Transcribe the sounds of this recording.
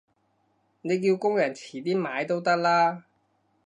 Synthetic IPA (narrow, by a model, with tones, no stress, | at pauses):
ne˨˧jkiː˧wkʊ˥ŋjɐ˨˩nt͡sʰiː˨˩t̪iː˥maː˨˧jt̪o˥wt̪ɐ˥k̚laː˥